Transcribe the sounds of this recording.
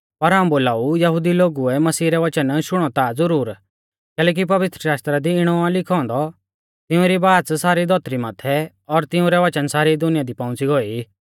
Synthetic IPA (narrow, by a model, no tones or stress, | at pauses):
pɐɾɦaːũboːlaːujɐɦʊd̪iloːɡuɛmɐsiːɾɛʋɐt͡ʃənʃʊɽ̃ɔt̪ad͡zɐɾuːɾ | kɛːlɛːk̬ipɐʋɪt̪ɾəʃaːʃt̪ɾad̪iɪɽ̃ɔalɪkʰɔ̃ːnd̪ɔ | t̪ɪʊ̃ɾibaːt͡ssaːɾid̪ʱɔt̪ɾimaːt̪ʰɛ | ɔɾt̪ɪũɾɛʋɐt͡ʃənsaːɾid̪ʊnɪjad̪ipãːʊ̃t͡siɡɔi